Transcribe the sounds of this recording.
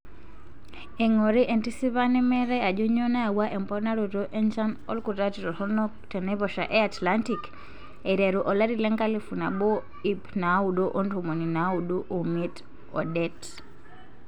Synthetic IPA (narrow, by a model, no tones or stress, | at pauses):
ɛŋɔɾiʔɛntisiβanɛmɛɾɛad͡ʒɔɲɔnawaʔɛmpɔnaɾutɔʔɛnt͡ʃanɔlkutatiɾɔhɔnɔ | tɛnɛβɔʃaʔɛatlantik | ɛɾɛɾuʔɔlaɾilɛŋkalifunaɓɔ | ipnauɗɔʔɔndumuninauɗuʔumit | ɔ̰dɛt